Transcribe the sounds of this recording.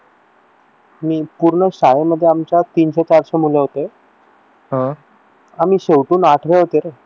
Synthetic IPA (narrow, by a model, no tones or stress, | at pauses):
miːpuɾɳəɕaɭeməd̪ʱːjeamt͡ɕat̪iːnɕet͡ɕaɾɕemuleɦot̪e | ɦə̃ | amiːɕewʈuːnaʈʰʋeɦot̪eɾe